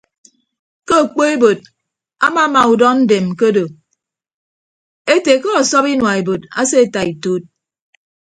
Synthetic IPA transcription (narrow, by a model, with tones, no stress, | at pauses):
ko˦o˨k͡po˦e˦bo˨d̚ | a̰˦ma˨˦ma˨u˨dɔ˦n̩˦de˨mko˦do˨ | e˦te˨ko˦ɔ˨sɔ˦pi˦nwa˨e˨bo˨ta̰˦se˦˨ta˨i˨to˦t̚